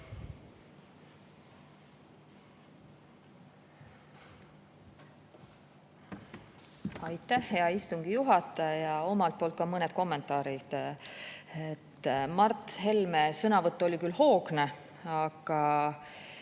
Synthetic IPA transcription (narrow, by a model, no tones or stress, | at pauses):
ɑjt̪ːˑæhːe̞ɑist̪uŋɡ̥ijuɦɑt̪ˑːɑjɑo̞mɑlt̪̚po̞ːlt̪̚kɑmɤnet̪̚ko̞mːe̞nt̪ːˑɑːɾid̪̥ | et̪ːmɑrt̪ːˑhe̞lme̞sɤnɑvɤt̪ːˑolʲikylho̞ːɡne̞ | ɑɡ̥ɑ